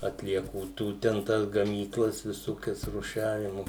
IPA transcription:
ɐtʲlʲiɛˈkuː ˈtuː tʲɛn ˈtɐs ɡɐmʲiːˈklˠɐs ʋʲɪˈsoːkʲɛs rʊˈʃʲæːʋʲɪmʊ

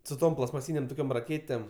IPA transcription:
sʊ ˈtoːm plˠɐstmɐˈsʲiːnʲeːm ˈtoːkʲoːm rɐˈkʲeːtʲeːm

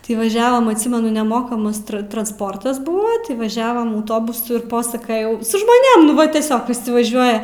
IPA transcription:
tʲɪ ʋɐˈʒʲæːʋɐm ɐtʲˈsʲiːmʲɛnʊ nʲɛˈmoːkɐmɐs trɐ trɐnsˈpoːrtɐs ˈbuːʋɐ tʲɪ ʋɐˈʒʲæːʋɐm ɐʊˈtoːbʊsʊ ɪ ˈpoːsɐkɐjɛʊ sʊ ʒmoːˈnʲeːm nʊ ˈʋɐ tʲiɛˈsʲoːk ʋʲɪˈsʲɪ ʋɐˈʒʲuɔjɛ

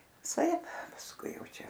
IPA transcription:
ʋʲɪˈsɐɪp pɐsˈkʊɪ ˈjɛʊ ˈt͡ʃʲɛ

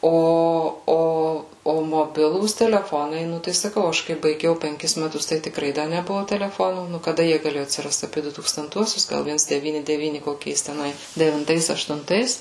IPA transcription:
ˈoː ˈoː oː moːˈbʲɪlˠuːs tʲɛlʲɛˈfoːnɐɪ ˈnʊ tɐɪ sɐˈkɐʊ ˈɐʃ kɐɪ bɐɪˈɡʲɛʊ pʲɛŋʲˈkʲɪs mʲɛˈtʊs tɐɪ tʲɪkˈrɐɪ ˈdɐ nʲɛˈbʊʋoː tʲɛlʲɛˈfoːnuː nʊ kɐˈdɐ ˈjiɛ ɡɐˈlʲeːjʊ ɐtʲsʲɪrɐst ɐpʲiɛ dʊ tuːkstɐnˈtuɔsʲʊs ˈɡɐlˠ ˈʋʲiɛns dʲɛˈʋʲiːnʲɪ dʲɛˈʋʲiːnʲɪ koːˈkʲɛɪs tʲɛˈnɐɪ dʲɛʋʲɪnˈtɐɪs ɐʃtʊnˈtɐɪs

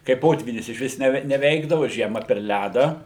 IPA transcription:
kɐɪ ˈpoːtʲʋʲiːnʲɪs ɪʃʲˈʋʲɪs nʲɛˈʋʲɛ nʲɛˈʋʲɛɪɡdɐʋʊ ˈʒʲiɛmɐ pʲɛr ˈlʲædɑː

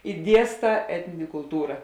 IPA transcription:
ɪ ˈdʲiɛsˌtɑː ˈæːtʲnʲɪnʲeː kʊlˠˈtuːrɐ

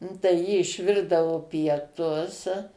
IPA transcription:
nʊ tɐɪ ˈjɪ ɪʃʲˈʋʲɪrdɐʋoː pʲiɛˈtʊs

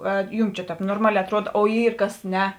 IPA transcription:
ˈɐr ˈjuːm t͡ʃʲɛ ˈtʲɛːp noːrˈmɑːˌlʲɛː ɐtˈruɔt oː ˈiːr ˈkɐs ˈnʲɛ

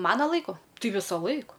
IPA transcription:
ˈmɑːnɐ ˈlˠɐɪkʊ ˈtɐɪ ˈʋʲɪsɐˌlˠɐɪk

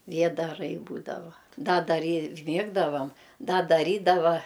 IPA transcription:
ˈʋʲiɛdɐrɐɪ ˈbuːdɐʋɐ ˈdɐ dɐˈrʲiː ˈmʲiɛɡdɐʋɐm ˈdɐ dɐˈrʲiːdɐʋɐ

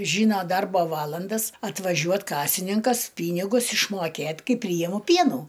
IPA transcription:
ˈʒʲiːnoː ˈdɐrboː ˈʋɑːlˠɐndɐs ɐtʋɐˈʒʲuɔt ˈkɑːsʲɪnʲɪŋkɐs ˈpʲiːnʲɪɡʊs ɪʃˈmoːkʲeːtʲ ˈkɐɪp ˈpʲrʲiːjɪmʊ ˈpʲiɛnuː

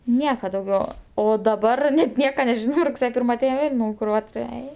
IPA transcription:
ˈnʲiɛkɐ dɐʊˈɡʲɛʊ oː dɐˈbɐr nʲɛt ˈnʲiɛkɐ nʲɛˈʒʲɪnoː rʊkˈsʲeːjɛ ˈpʲiːrmɐ ɐˈtʲɛɪn ˈʋʲeːlʲ ˈnɐʊj kʊˈrɑːtʊrʲɛ ˈɛɪ

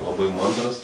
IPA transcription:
lˠɐˈbɐɪ ˈmɐndrɐs

